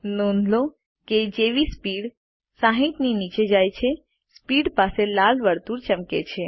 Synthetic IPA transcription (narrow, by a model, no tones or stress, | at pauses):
noːnʱlo | ked͡ʒeːʋispiːɽ | saɦit̪ninit͡ʃed͡ʒaːjt͡ʃʰe | spiːɽpaːselaːlʋəɾt̪uɾt͡ʃəmkḛt͡ʃʰe